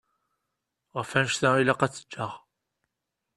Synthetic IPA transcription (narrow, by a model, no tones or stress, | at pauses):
ʁəfænʃθæʁilaqæt͡sːəd͡ʒːaʁ